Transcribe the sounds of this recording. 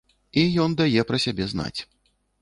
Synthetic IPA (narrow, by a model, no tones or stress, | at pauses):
ijɔnd̪ajɛpɾɐsʲabʲɛzna̰t͡sʲ